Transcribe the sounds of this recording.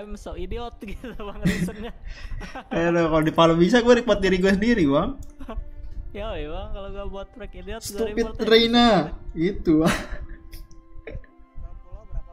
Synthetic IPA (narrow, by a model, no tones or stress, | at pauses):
msaideɔt̪̚ɡi | anokalodipalobis̬aɡuaɾik̚mat̪̚diɾiɡuasəndiɾibaŋ | sə̥t̪upɪt̪ːɾejnait̪ua